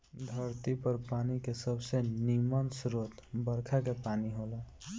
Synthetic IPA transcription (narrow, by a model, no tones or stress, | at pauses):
d̪ʱəɾt̪ipəɾpanikesəbsenimənsɾot̪bəɾkʰakepaːniɦolɛ